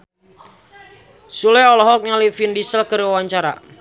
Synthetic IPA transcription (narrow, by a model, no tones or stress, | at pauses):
sulɛɔlɔɦɔk̚ɲalifindisəlkərwawaɲt͡ʃaɾa̰